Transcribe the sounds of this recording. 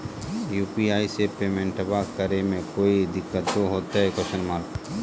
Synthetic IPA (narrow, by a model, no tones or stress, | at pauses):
juːpiaːisepeːmẽɳʈəbakəɾemẽkoːid̪ɪkːət̪̚d̪oɦoːt̪aɦɛkɔʃənmaːɾk